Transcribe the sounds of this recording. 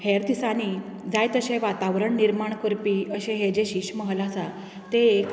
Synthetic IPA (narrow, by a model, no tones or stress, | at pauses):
heɾt̪isani | d͡zajt̪əɕẽʋat̪aʋɾəɳniɾmaɳkəɾpiəɕẽɦed͡ʑeɕiɕməɦlasa | t̪eːk